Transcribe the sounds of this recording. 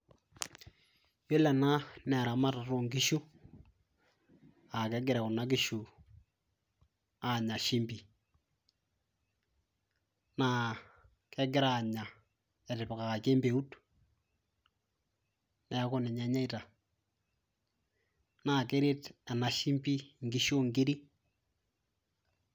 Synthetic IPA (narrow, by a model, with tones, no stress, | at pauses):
jo˦lɛ˨na˦nɛ˨ɾa˨ma˦ta˨to˦˨ŋkɪ˦ʃu˦ | a˨kɛ˦ɡɪ˨ɾɛ˨kʊ˨na˦k̬ɪ˦ʃu˨ | a˨ɲa˨ʃi˦mpi˨ | na˦˨ | kɛ˦ɡɪ˦ɾa˨ɲa˨ | ɛ˨ɾɪ˨pka˨ka˨ke˦mbe˨u˦t | nɛ˨˦kʊ˦nɛ˨ɲɛ˦ɲɛ˦i˦ta˨ | na˨ke˦ɾe˦tɛ˨na˨ʃi˦mpi˦ŋɡi˨˦ʃo˦ŋɡi˦ɾi˦